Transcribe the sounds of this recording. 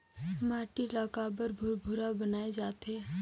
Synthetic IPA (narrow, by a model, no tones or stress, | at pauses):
maːʈilaːkaːbəɾbʱʊɾbʱʊɾabənaːed͡ʒaːt̪eː